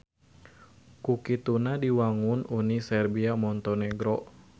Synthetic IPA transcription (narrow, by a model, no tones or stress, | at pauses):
kukit̪unadiwaŋununisɛrbiamɔnt̪ɔnɛɡɾɔ